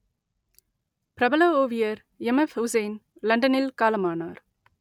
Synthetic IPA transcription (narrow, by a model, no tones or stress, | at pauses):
pɾɐbɐlɐoːʋɪjɐɾ | ɛmɛfhʊsɐɪnlɐɳɖɐnɪlkaːlɐmaːnaːɾ